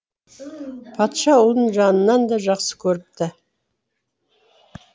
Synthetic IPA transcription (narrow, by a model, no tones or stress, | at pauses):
pʰɑt̪ʃɑwʊlˠəɴʒɑnənːɑnd̪ɑʒɑqsə̥kʲʰɵɾɪp̚t̪ɪ